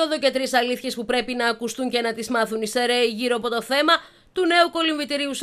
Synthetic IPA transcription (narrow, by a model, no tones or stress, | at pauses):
oðoce̞t̪ɾisɐliθçe̞spupɾe̞pinɐːkust̪uɲce̞nɐt̪izmɐθunise̞ɾeiʝiɾoɐpo̞t̪o̞θe̞mɐ | t̪une̞uko̞liɱvit̪iɾius